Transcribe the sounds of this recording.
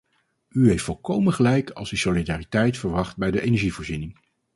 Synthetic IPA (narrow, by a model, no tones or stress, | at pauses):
yɦejftfolˠkowmənχəlɛjkʰɑ̰lˠsysolidaːritɛjtfəɹʋɑχt̚bɛjdəʔejnɛɹʒivoːɹzinɪŋ